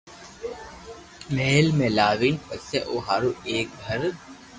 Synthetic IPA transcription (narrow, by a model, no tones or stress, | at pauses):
meːlmẽːlaːʋiːnpɐseʔoːɦaːɾueːk̚ɡʱɐɾ